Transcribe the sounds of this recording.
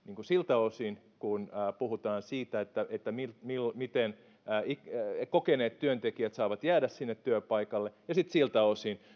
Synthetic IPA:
niːŋkusilt̪æosin | kunːpuhut̪ɑːnsiːt̪æet̪ːæʔet̪ːæmilmilːmit̪enː | ikkokeneːt̪t̪yønt̪ekiæt̪sɑːʋɑt̪jæːdæssinːet̪tyøpɑikɑlːejɑsit̪silt̪æosin

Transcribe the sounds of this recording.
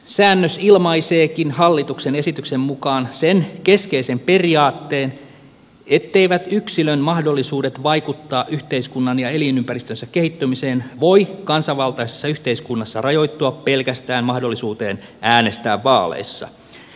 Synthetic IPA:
sæːnːøsilmɑiseːkinhɑlːit̪uksene̞sit̪yksemmukɑːnsenke̞skeisempe̞riɑːt̪ːeːn | et̪ːe̞iʋæt̪yksilønmɑhdo̞lːisuːde̞t̪ʋɑikut̪ːɑːʔyht̪eiskunːɑnjɑelinympæɾist̪ønsækːehit̪ːymiseːnʋo̞ikɑnsɑʋːɑlt̪ɑisesːɑyht̪eiskunːɑsːɑrɑjo̞it̪ːuɑppe̞lkæst̪æːmmɑhdo̞lːisuːt̪e̞ːnʔæːne̞st̪æːʋːɑːlḛisːɑ̰

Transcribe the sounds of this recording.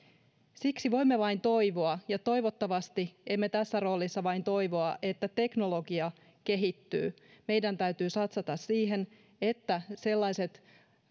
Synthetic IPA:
siksiʋo̞imːeʋɑint̪o̞iʋoɑjɑt̪o̞iʋo̞t̪ːɑʋɑst̪iʔe̞mːet̪æsːæro̞ːlisːɑʋɑint̪o̞iʋo̞ɑʔe̞t̪ːæt̪e̞knoloɡiɑ | ke̞ɦit̪ːy̰ː | me̞jdænt̪æyt̪yːsɑt̪sɑt̪ɑssiːɦe̞n | et̪ːæse̞lːɑjse̞t̪

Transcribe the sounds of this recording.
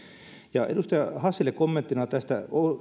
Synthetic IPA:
jɑʔḛdust̪ɑjɑhɑsːilːekomːent̪ːinɑt̪æst̪æo

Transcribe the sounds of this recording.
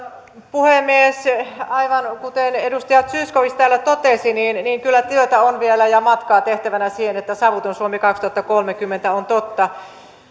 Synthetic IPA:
puhemːiesɑiʋɑnkut̪enedust̪ɑjɑt̪syːskoʋist̪æːlːæt̪ot̪esiniːnniːŋkylːæt̪yøt̪æonʋielæjɑmɑt̪kɑːt̪eht̪æʋænæsiːhenet̪ːæsɑʋut̪onsuomikɑkst̪uhɑt̪ːɑkolmekymːent̪æont̪ot̪ːɑ

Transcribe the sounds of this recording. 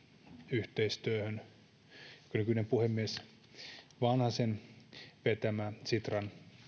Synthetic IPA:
yht̪eist̪yøhøn | knykynempuhemːies | ʋɑnhɑsenʋet̪æmæsit̪rɑn

